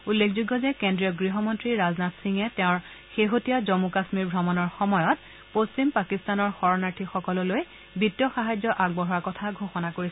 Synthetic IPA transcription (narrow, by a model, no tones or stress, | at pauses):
ulːekʰzuɡːɔzɛkendɹijɔɡɹiɦɔmɔntɹiɹaznatsiŋɛtɛʊ̃ɹ | xeɦotijazomukasmiɹbʱɹɔmɔnɔɹxɔmɔjɔt̚ | post͡ɕimpakistanɔɹxɔɹɔnaɹtʰixɔkɔlɔloj | bitːjɔxaɦazɔʔaɡ̚bɔɦɔɹakɔtʰaɡʱoxɔnakoɹis